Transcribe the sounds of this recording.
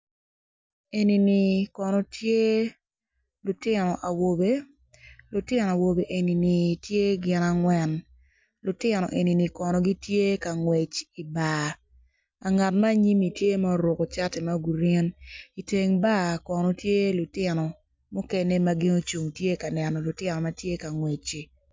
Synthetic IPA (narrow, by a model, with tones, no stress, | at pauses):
e˨ni˨ni˨kɔ˨nɔ˨tje˦ | lʊ˨tɪ˦nɔ˨ʔa˨wo˨be˦ | lʊ˨tɪ˦n˨a˨wo˨be˨ʔe˨ni˨ni˨tje˦ɡɪ˦na˨ŋwɛ˦˨n | lʊ˨tɪ˦nɔ̰˨ʔe˨ni˨ni˨kɔ˨nɔ˨ɡi˦tje˦ka˨ŋwe˨t͡ʃi˨ba˨ | a˨ŋa˨tma˦ɲi˦mi˨tje˦ma˦ɾo˨ko˨t͡ʃa˦tɛ˨ma˦ɡu˨ɾe˦ni˨te˨ŋba˦kɔ˨nɔ˨tje˦lʊ˨tɪ˦nɔ˨ | mu˦kɛ˦ne˦ma˦ɡɪ˦no˦t͡ʃu˨ŋtje˦ka˨nɛ˨nɔ˨lʊ˨tɪ˦nɔ˨ma˦tje˦ka˨ŋwe˨t͡ʃi˨